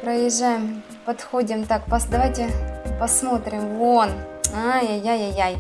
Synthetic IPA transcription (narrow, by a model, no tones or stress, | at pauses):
pɾəjɪʐːajɪm | pɐt̪xodʲɪmt̪akpɐsd̪ɐvajtʲɪpɐsmo̞t̪ɾʲɪmvon | ajajajajaj